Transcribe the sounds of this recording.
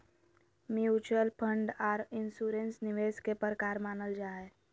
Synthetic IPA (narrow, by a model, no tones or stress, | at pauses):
mjuːt͡ʃəlpʰə̃ɳɖɔːɾɪnsuːɾẽnsnɪʋeːskepəɾkaːɾmaːnəld͡ʒaːe